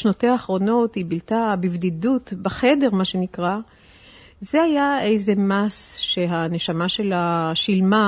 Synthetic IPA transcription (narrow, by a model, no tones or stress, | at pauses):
ʃnoteaːχʁo̞no̞thibiltabivdidutbaχe̞de̞ʁmaʃenikʁa | zehajae̞jzemasʃeɦane̞ʃamaʃe̞laʃilma